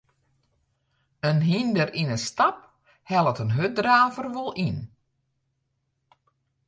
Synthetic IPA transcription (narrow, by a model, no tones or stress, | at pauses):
ənɦindərinəstap̚ | hɛlˠətənɦøt̚draːvərʋolˠin